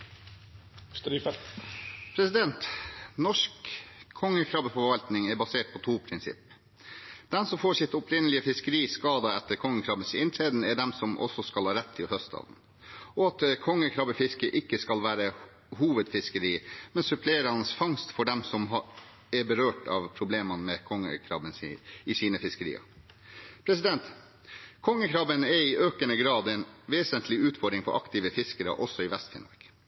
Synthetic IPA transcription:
st̪ɾifɛlt̪pʰɾɛsɪd̪ɛnt̪nɔʂkʰːɔŋːəkʰɾɑbəfɔɾʋɑlt̪nɪŋɛɾbɑseːʈ̚pʰɔt̪ʰuːpʰɾɪnsɪ̰pː | d̪̥ɛnsɔmfoːʂsɪt̪ɔpɾɪnəlɪəfɪskəɾiːskɑːd̪əɛt̪ːəɾkʰɔŋːəkʰɾɑːbəsɪnt̪ʰɾeːd̪n̩ɛɖɛmsɔmʔɔ̰sːɔskɑlhɑːɾɛt̪ʰːɪhœst̪ɑ̰ːd̪n̩ | ɔɑt̪kʰɔŋːəkʰɾɑbəfɪskəʔɪkːəskɑlʋæːɾə | ɦuːʋəd̪fɪskəɾiːmɛnsʉpʰleːɾɑnsfɑŋst̪fɔɖɛmsɔmɑ | ɛɾbəɾøːʈɑ̰ːʋpʰɾʊbleːmɑnmɛkʰɔŋːə̰kʰɾɑ̰bənsɪsiːnəfɪskəɾḭːɑ̰ | pʰɾɛsɪd̪ɛnt̪ | kʰɔŋːəkʰɾɑːbənɛɾɪʔøːkənəɡɾɑːd̪ɛɪnʋeːsənt̪ʰlɪʉːt̪fɔɖ̪ɾɪŋfɔɾʔɑ̰kt̪ɪʋəfɪskəɾə̰ʔɔsːɔɪʋɛst̪fɪ̰nɔ̰ɾɡ̥

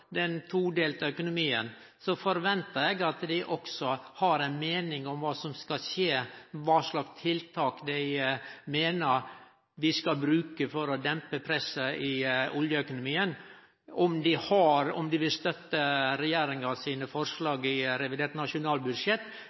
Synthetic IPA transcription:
d̪ɛnt̪ʰuːd̪eːlt̪ɑœkʊnʊmiːən | sɔfɔɾʋɛnt̪əɾɛɡɑt̪d̪ɪʔɔksɔhɑɾæɪnmeːnɪŋɔmʋɑːsɔmskɑseːʋɑːʂɭɑkst̪ʰɪlt̪ʰɑːkd̪æɪmeːnəɾ | ʋɪskɑbɾʉːkəfɔɾɔd̪ɛmpəpʰɾɛsəʔɪɔljəœkʊnʊmiːən | ɔmd̪ɪhɑɾɔ̰md̪ɪʋɪlst̪œt̪ːəɾɛjeːɾɪŋɑsiːnəfɔɾʂlɑːɡɪɾɛʋɪd̪eːʈ̪nɑʂʊnɑːlbʉd̪ʂjɛt̪ː

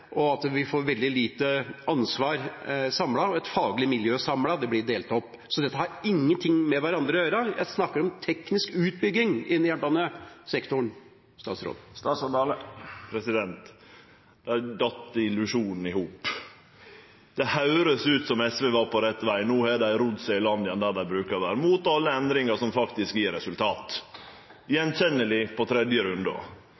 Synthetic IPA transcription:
ʔɔɑt̪ʋɪfoːɾʋɛld̪ɪliːt̪əʔɑnsʋɑːɾsɑmlɑɔɛt̪fɑːɡlɪmɪljøːsɑmlɑd̪ɛblɪɖ̪eːlt̪ɔpːsɔd̪ɛt̪ːəhɑɾɪŋːənt̪ʰɪŋːmɛʋæɾɑnd̪ɾəɔjøːɾəjæ̰ɪsnɑkːəɾɔmt̪ʰɛknɪskʉːt̪̚bʏɡːɪŋɪnjænbɑnəsɛkt̪ʊɳ | st̪ɑ̰ːt̪sɾo̰ːd̪st̪ɑːt̪sɑd̪ɑːləpʰɾɛsɪd̪ɛnt̪ | d̪̥æd̪ɑt̪ːəɪlʉʂuːnn̩ɪhuːp | d̪̥ɛhɑʉɾəsʉːt̪sɔmɛsʋeːʋɑːɾpʰɔɾɛt̪ːʋæɪnoːɛɖ̪æɪɾʊd̪sɛɪlɑnd̪ɪənd̪æːd̪æɪbɾʉːkɑɾʋæːɾəmuːt̪ɑlːəɛnd̪ɾɪŋəʂɔmfɑkt̪ɪskjiːɾɛsʉlt̪ʰɑːt̪ | jɛnçɛnːəlɪpʰɔt̪ʰɾɛd̪jəɾʉnd̪ɔ̰

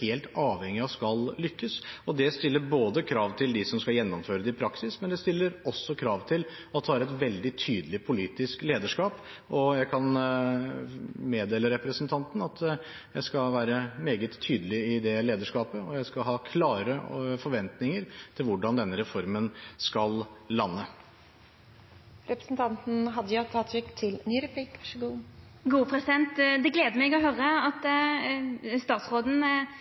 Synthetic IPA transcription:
heːlt̪ɑːʋhɛŋːɪɑʋskɑllʏkːəsɔd̪ɛst̪ɪlːəɾboːd̪əkʰɾɑːʋt̪ʰɪld̪ɪsɔmskɑljɛnːɔmføːɾəd̪ɛɪpʰɾɑksɪsmɛnd̪ɛst̪ɪlːəɾɔsːɔkʰɾɑːʋt̪ʰɪl | ɑt̪̚d̪hɑːɾɛt̪ʋɛld̪ɪt̪ʰyːd̪əlɪpʰʊliːt̪ɪskleːd̪əʂkɑːp | ʔɔjæɪkʰɑn | meːd̪eːləɾɛpɾəsənt̪ʰɑnt̪n̩ɑt̪ | jæɪskɑʋæːɾəmeːɡət̪ʰːyːd̪əlɪɪd̪ɛleːd̪əʂkɑːpəɔjæɪskɑɦɑːkʰlɑːɾəfɔɾʋɛnt̪nɪŋəɾt̪ʰɪlʋʊɖɑnd̪ɛnːəɾɛfɔɾmənskɑlːɑnːə | ɾɛpɾəsn̩t̪ʰɑnt̪n̩ɦɑd̪ːəjɑt̪ʰɑːt̪ʰɾɪkt̪ʰɪlnyːɾɛpʰlikʂɡuː | ɡuːpʰʁɛsɪd̪ɛnt̪d̪ɛɡleːd̪əmɛɡɔɦøɾəɑt̪ | st̪ɑːt̪sʁoːd̪n̩

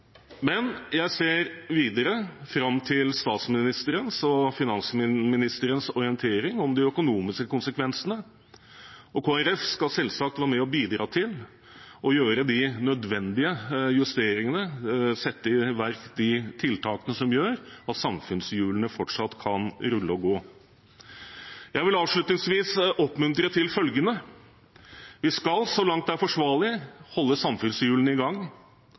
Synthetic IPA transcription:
mɛnjæɪseːɾʋiːd̪əɾəfɾɑmːt̪ʰɪlst̪ɑːt̪smɪnɪst̪əɾənsɔfɪnɑnsəmɪmɪnɪst̪əɾənsɔɾɪənt̪ʰeːɾɪŋɔmd̪ɪœkʊnuːmɪskəkʊnsəkʰʋɛnsənə | ɔkʰoːæɾɛfskɑlsɛlsɑk̚t̪ʋæːɾmɛɔbiːd̪ɾɑ̰ːt̪ʰɪl | ʔɔjøːɾəd̪ɪnœd̪ʋɛnd̪ɪəjʉst̪eːɾɪŋənəsɛt̪ːəɪʋæɾkd̪ɪt̪ʰɪlt̪ʰɑːkənəsɔmjøːɾɑt̪sɑmfʉnsjʉːlənəfɔʈʂɑt̪ːkʰɑnɾʉlːəɔɡoː | jæɪʋɪlɑːʋʂɭʉt̪nɪŋsʋiːsɔpːmʉnt̪ɾət̪ʰɪlfœlɡənə | ʋɪskɑlsɔlɑŋt̪̚æɾfɔʂʋɑːɭɪhɔlːəsɑmfʉnsjʉːlənɪɡɑŋː

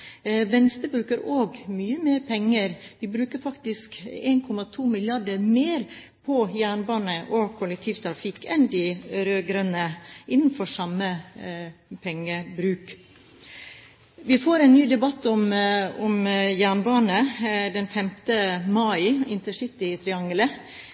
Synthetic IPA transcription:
ʋɛnst̪əbɾʉːkəɾoːɡmyːəmeːɾpʰɛŋːəɾʋɪbɾʉːkəɾfɑkt̪ɪskḛːnkʰɔmɑt̪ʰuːmɪlɪɑɖəɾmeːɾ | pʰɔjæːɳbɑːnəʔɔkʰʊlɛk̚t̪ʰiːʋt̪ʰɾɑfɪkːɛnd̪ɪɾøːɡɾœnəɪnːn̩fɔʂɑmə | pʰɛŋːəbɾʉːk | ʋɪfoːɾɛnnːyːd̪ɛbɑt̪ːɔmɔmjæɳbɑːnəd̪ɛnfɛmt̪əmɑɪɪnt̪əʂɪt̪ɪt̪ʰɾɪɑŋlə

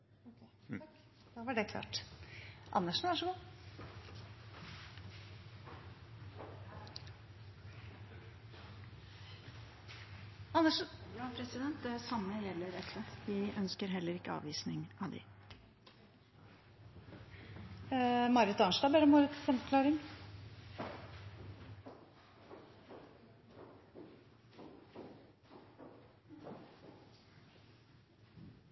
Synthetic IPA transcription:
d̪ɑʋɑɖɛkʰlɑ̰ːʈ | ʔɑ̰nːəʂn̩ʋɑʂɔɡuː | ɑnːəʂpʰɾɛsɪd̪ɛnt̪̚d̪ɛsɑmːəjɛlːəɾɛt̪ːəʋɪʔœnskəɾɦɛlːəɾɪkːəɑ̰ːʋiːsnɪŋɑ̰ʋd̪ɪ̰ | mɑɾət̪ɑnʂd̪ɑbɛɾəmɑɾət̪sɛmfɔkʰlɑːɾɪŋ

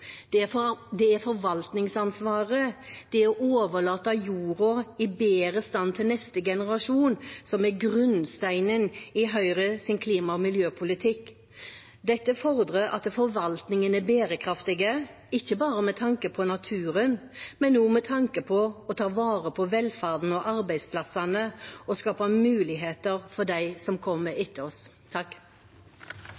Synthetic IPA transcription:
d̪ɛæɾfɔɾʋɑlt̪nɪŋsɑnsʋɑːʁəd̪̥ɛæɔʔoːʋəlɑːt̪ɑjuːɾʊɪbeːɾəst̪ɑnt̪ʰɪlnɛst̪əɡɛnəʁɑʂuːnsɔmɛɾɡʁʉnst̪æɪnənɪɦœʏʁəsɪnkʰliːmɑɔmɪljøːpʰʊlɪt̪ʰɪkː | d̪ɛt̪ːəfɔʁd̪ɾəɾɑ̰t̪fɔɾʋɑlt̪nɪŋənæbeːɾəkʰɾɑft̪ɪɡə | ɪçːəbɑːɾəmɛt̪ʰɑŋkəpʰɔnɑt̪ʰʉːɾənmɛnːuːmɛt̪ʰɑŋkəpʰɔɔt̪ʰɑːʋɑːʁəpʰɔʋɛlfæʁd̪n̩ɔʔɑɾbæɪspʰlɑsɑnəɔskɑːpɑmʉːlɪɦeːt̪əɾfɔɾd̪æɪsɔmkʰɔmːəɪt̪ʰːəɔs | t̪ʰɑkː

